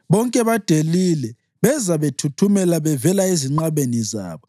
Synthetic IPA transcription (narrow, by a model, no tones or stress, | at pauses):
βɔŋkʼɛβad̥ʱelilɛ | βɛzaβetʰutʰumɛlaβɛvɛlaeziŋ͡ǃaβeniza̰ːβɔ